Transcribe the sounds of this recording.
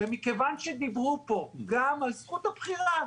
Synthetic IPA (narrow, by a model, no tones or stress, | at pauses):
vemikevanʃed̪ibʁupo̞ɡamalzχut̪abχiʁa